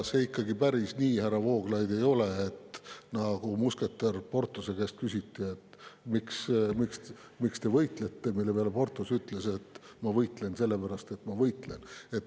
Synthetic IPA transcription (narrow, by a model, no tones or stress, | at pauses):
seikːɑɡipæɾisnʲiːhærɑvo̞ːɡ̥lɑjd̪e̞jo̞le̞ːt̪nɑɡumuske̞t̪ːerpo̞rt̪ːˑuse̞keːst̪̚kysʲit̪ːie̞t̪ːmiksmiks | mikst̪e̞vɤjt̪let̪ːe̞milːepeɑleport̪ːˑusyt̪ˑle̞se̞t̪ːmɑvɤjt̪ˑle̞nse̞lːepæɾɑst̪e̞t̪ːmɑvɤjt̪le̞ne̞t̪ː